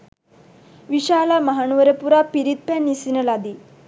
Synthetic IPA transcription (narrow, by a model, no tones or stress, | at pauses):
ʋiʃaːlamɐɦanuʋɐɾɐpuɾapiɾit̪̚pɛnisinɐlad̪i